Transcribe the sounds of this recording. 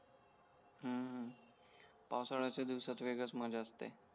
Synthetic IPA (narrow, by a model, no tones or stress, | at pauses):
ɦəɦə̃ | pawsaɽat͡ɕed̪iwsat̪ʋeɡət͡sməd͡ʑʱeəst̪ḛ